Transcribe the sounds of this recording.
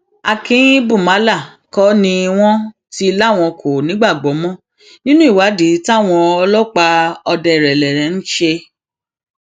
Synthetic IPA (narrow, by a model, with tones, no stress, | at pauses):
a˧kĩ˨˦ĩ˦bũ˦˨ma˨˦la˦˨ | kɔ˦nĩ˧w̃ɔ̃˦ | ti˦i˧la˦˨w̃ɔ̃˧kʰo˨nĩ˨˦ɡ͡ba˦˨ɡ͡bɔ˨˦mɔ̃˦˨ | nĩ˦nũ˦i˦˨wa˨˦di˨˦ta˦˨w̃ɔ̃˧ɔ˧lɔ˦k͡pa˧ɔ˧dɛ˧˨ɾɛ˨lɛ˨ɾɛ̃˨˦n̩˦ʃe˧